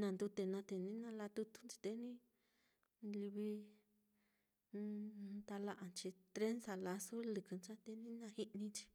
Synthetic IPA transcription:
nã˧nd̪u˧t̪e˧nã˧t̪e˧nĩ˦nã˧la˧t̪u˧t̪u̥˧nt͡ʃi̥˧t̪e˧nĩ˦ | li˧βi˧ | nt̪a˧la˧ʔa˨˧nt͡ʃi˧t̪ɾe˦nsa˧la˧su˦lɨ˧kɨ˨˧nt͡ʃã˦t̪e˧nĩ˦nã˧hi˦˧ʔnĩ˧t͡ʃi̥˧

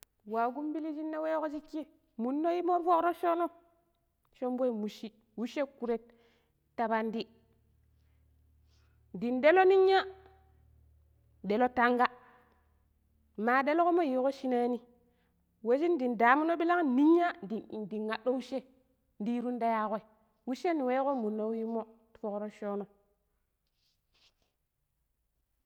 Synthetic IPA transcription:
wa˨ɡu˦mbi˦li˦d͡ʒi˦nːa˦we˦ko˦d͡ʒi˦kːi˦ | mu˨nːo˦ji˦mo˦ɾfo˦kɾo˦ʃo˦no˦ | ʃo˦mbe˦i˨mu˨ʃi˦ | wu˦ʃe˦ku˨ɾe˦t̚ː | a˨ba˦ndi˦ | di˨nde˦lo˦ni˦ɲːa˦ | de˨lo˦ta˦ŋɡa˦ | maː˨ɗe˦lo˦ko˦mo˦ji˨˦ko˦ʃi˦na˦ni˦ | we˦ʃi˦ndi˨nda˨mu˦no˦ɓi˦la˦ŋni˦ɲːa˦di˨di˨ŋa˨ɗo˦u˦ʃe˦ | ndi˦ɾu˦nda˦ja˦ko˦i˨ | wu˦ʃe˦ni˨we˦ko˦mu˨nːo˦wi˦mo˦tu̥˨fo˨kɾo˦ʃo˦no˨

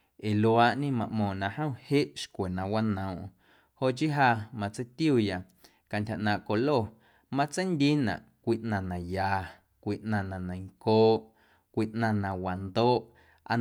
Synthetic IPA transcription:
e˨lo˧aː˧ʔɲĩ˦mã˧ʔmɔ̃ː˨nã˧hə̃˦˨he˦ʔʃkʷe˨nã˧wa˦nə̃˨ʔ | ho˧ʔt͡ʃi˦ɦa˧mã˧t͡sə˦jt̪ju˦˧˨ja˨ | ka˨ntʲha˨ʔnãː˨ʔko˧lo˦˨ | mã˦t͡sə˦jnd̪i˦nã̰˨ʔkʷi˦˧ʔnã˧˨nã˨jaː˨ | kʷi˧ʔnã˧˨nã˨nã˨jŋkoː˦ʔ | kʷi˧ʔnã˧˨nã˨wa˨nd̪oː˦ʔ | a̰˧

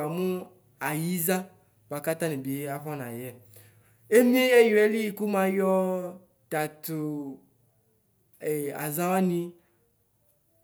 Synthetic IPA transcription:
a˨mũ˦ | a˨ji˦zã˦ | ba˨ka˦t̪ã˦nẽ˨bi˨e˦a˦ɸã˦nã˨jɛ˦ | e˦mĩ˦e˦jo˨e˦li˦ji˨ku˦mã˨jɔ˦ | t̪a˨t̪o˨ | ɛ˨a̰˨zã˦wa˦nĩ˦

